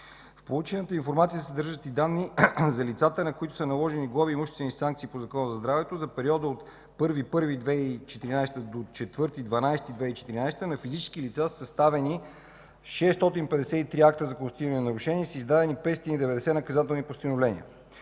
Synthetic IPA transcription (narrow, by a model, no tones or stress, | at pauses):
fpolˠut͡ʃɛnət̪əinfoɾmat̪sijəsɐd̪ɾʒət̪id̪anːizɐlit̪sat̪ənɐkoit̪ʊ̥sənɐlˠɔʒɛniɡlˠaviːmuʃɛst̪ɛnisaŋk̚t̪sipozɐkɔnəzɐzd̪ɾavɛt̪ozɐpɛɾiɔd̪əot̪ | pɤɾvipɤɾvid̪vɛit͡ʃɛt̪iɾinajst̪əd̪ot͡ʃɛt̪vɤɾt̪id̪vɐnajst̪id̪vɛit͡ʃɛ̥t̪iɾinajst̪ənɐfizit͡ʃɛ̥sk̟ilit̪sassɐst̪avɛni | ʃɛst̪ɔt̪inpɛd̪ɛsɛit̪ɾiak̚t̪əzɐkost̪iɾənɛnɐɾuʃɛnʲiɛsəizd̪ad̪ɛnipɛt̪sot̪inid̪ɛvɛd̪ɛsɛnɐkɐzat̪ɛlˠnipost̪inovlɛniə̰